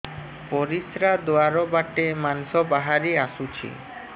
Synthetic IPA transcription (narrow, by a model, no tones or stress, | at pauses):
poɾisɾad̪oaɾobaʈemanʃobaɦaɾiaʃut͡ɕʰḭ